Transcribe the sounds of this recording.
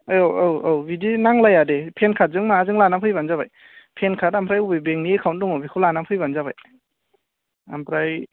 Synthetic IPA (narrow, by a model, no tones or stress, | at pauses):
joawawbidinaŋlajadepʰenkʰat̚zɯŋmazɯŋlanampʰɯjbanzabaj | pʰenkʰatampʰɾajubɯjbeŋniekʰawnt̚dɔŋɔbʰikʰɯwlanapʰɯjbanzabaj | a̰mpʰɾaj